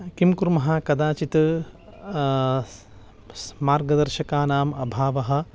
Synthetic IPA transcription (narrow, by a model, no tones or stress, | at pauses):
kimkuɾmɐɦaːkɐd̪aːt͡ʃit̪ɐ | smaːɾɡɐd̪ɐɾʃɐkaːnaːmɐbʱaːʋɐɦɐ̆